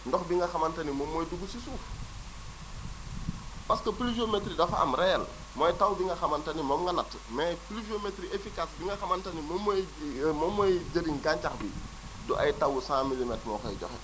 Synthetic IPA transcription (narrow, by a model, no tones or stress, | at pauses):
ndɔxbiŋɡɐxɐmɐntɐnimɔmːɔjduɡusisuːf | pɐskəplud͡ʒiometɾidɐfaɐ̰mɾɛl | mɔjtawbiŋɡɐxɐmɐntɐnimɔmŋɡɐnɐt | mɛplid͡ʒometɾiefikasbiŋɡɐxɐmɐntɐnimɔmː | mɔmːɔjɟəɾinɡaɲt͡ʃaxbḭ | dɔʔajtɐwusãːmilimɛtmɔ̰ːxɔ̰jɟɔ̰xɛ̰